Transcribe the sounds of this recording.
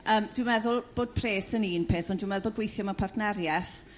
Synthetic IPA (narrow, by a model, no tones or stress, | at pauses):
əːmd̥wɪmɛðʊlˠb̥oːd̥̚pʰreːsəniːnpʰeːθɔndwəmɛðˠboːd̚ɡwejθjɔmapʰartʰnɛɾjɛθ